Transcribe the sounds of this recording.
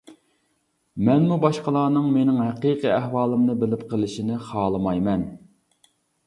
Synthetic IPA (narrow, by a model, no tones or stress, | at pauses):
mɛnmubɑʃqəlˠɑːnɨŋmenɪŋɦæqiːqʰiæhwɑːlˠɨmnɨbɪlɪpqʰəlˠɪʃinɪχɑːlˠɨmɑjmɛn